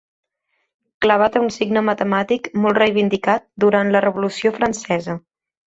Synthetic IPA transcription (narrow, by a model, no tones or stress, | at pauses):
kləβ̞at̪əunsiɡnəmət̪əmat̪ikmɔlˠt̪rejβind̪ikat̪̚d̪uɾant̪lərəβulusiofɾənsɛzə